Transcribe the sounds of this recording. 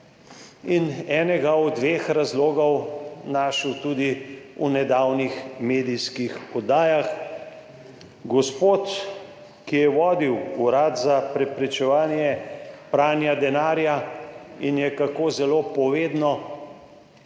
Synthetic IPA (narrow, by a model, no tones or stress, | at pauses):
inɛːnɛɡaɔd̪ʋeːxɾazloːɡɔwnaʃəwt̪uːd̪iunɛd̪aːwnixmeːd̪ijskixɔd̪aːjax | ɡɔspoːt̪ | kijɛʋɔːd̪iwuɾat̪zapɾɛpɾɛt͡ʃɛʋaːnjɛpɾaːnjad̪ɛnaːɾjainjɛkakoːzɛloːpɔʋeːd̪nɔ